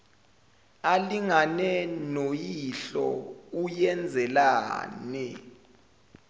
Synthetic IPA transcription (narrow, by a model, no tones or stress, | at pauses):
aliŋanɛnojiɬɔ̰ujɛnd͡zʱɛla̰ːnɛ